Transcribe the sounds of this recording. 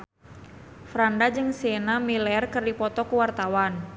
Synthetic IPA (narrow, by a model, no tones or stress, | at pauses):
fɾandad͡ʒɨŋsenamilɛrkɨrdipɔt̪ɔkuwart̪awan